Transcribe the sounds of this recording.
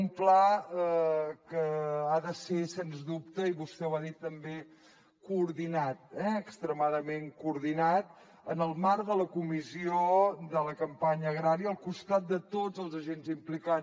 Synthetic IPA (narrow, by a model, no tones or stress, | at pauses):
umplaəkəaðəsesenzðup̚t̪əiβust̪ɛwaðit̪ːəmbe | kuːɾðinat̪̚ɛəkst̪ɾəmaðəmeŋkuːɾðinat̪̚ | ənəlˠmaɾðələkumiziod̪ələkəmpaɲəːɣɾaɾiəəlˠkust̪at̪̚d̪ət̪od͡zəlˠzəʒenzimplika